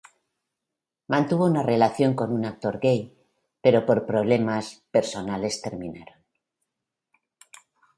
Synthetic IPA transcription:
mãnt̪uβ̞o̞unare̞laθjo̞ŋko̞nunak̚t̪o̞ɾɡe̞j | pe̞ɾo̞po̞ɾpɾo̞β̞le̞maspe̞ɾso̞nale̞st̪e̞ɾmĩnaɾo̞n

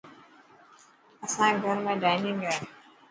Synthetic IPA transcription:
ɐsãːɡʱəɾmẽːɖaːɪnɪ̃ŋɡaːe

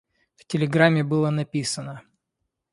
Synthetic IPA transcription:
ftʲɪlʲɪɡɾamʲːɪbɨlˠənɐpʲisənə

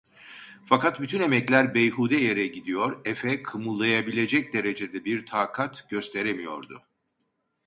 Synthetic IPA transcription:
fakat̪̚byt̪ʰyne̞mɛclʲæɾbejhuːd̪ɛjeɾɛɟid̪ijo̞ɾɛfɛkʰɯmulˠːajabilʲe̞d͡ʒɛc̚d̪e̞ɾe̞d͡ʒe̞d̪ɛbiɾt̪ʰaːkʰat̪ɟø̞st̪ʰe̞ɾemijo̞̰ɾd̪ʊ̰

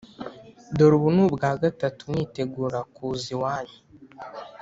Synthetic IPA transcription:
doɾuβunubɡaːɡatatumwiːte̞ɡuːɾakuːziwaːɲi

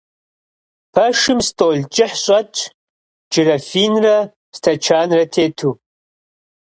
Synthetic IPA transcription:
pʰɐʂɨmstʼoːlt͡ʃʼɪħɕʼɐt͡ʃʰʼ | d͡ʒɨɾɐfiːnrɐ | stʰɐt͡ʃʰaːnrɐtʰeːtʰu

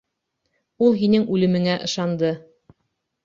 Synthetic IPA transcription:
ulˠɦinɘŋʉlɘ̆mɘ̆ŋæʔɤ̆ʃɑnd̪ɤ

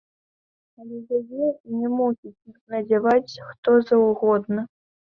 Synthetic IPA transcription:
alʲɛjʲajʲɛnʲɛmusʲit͡sʲnɐd͡zʲavat͡sʲxt̪ɔzɐwɣɔd̪nɐ

